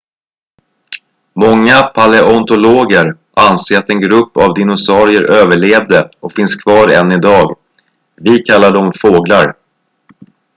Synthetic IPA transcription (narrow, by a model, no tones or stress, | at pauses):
mɔŋːapʰalɛʔɔnt̪ʊloːɡəɾ | ʔanseːɾat̪ɛnɡɾɵpːavd̪ɪnʊsɑːɾɪəɾʔøːvəɭeːvd̪əʔɔkfɪnskʰvɑːɾɛ̰nːɪd̪ɑːɡ | vɪkʰalːad̪əɔmfoːɡlaɾ